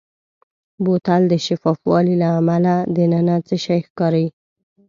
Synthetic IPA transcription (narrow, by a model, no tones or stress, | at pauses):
bot̪ald̪əʃafɑfwɑ̰lilaːmalad̪ənanat͡səʃajxkɑɾaji